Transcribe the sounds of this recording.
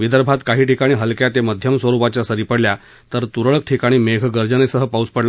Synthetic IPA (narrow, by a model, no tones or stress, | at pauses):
ʋid̪əɾbʱat̪kaɦiːʈikaɽ̃iːɦəlkjat̪jeməd̪ʱjəmsʋəɾupat͡ɕjasəɾiːpəɽlja | t̪əɾt̪uɾəɭək̚ʈʰikaɽ̃iːmeɡʱɡəɾd͡zənesəɦəpauspəɽla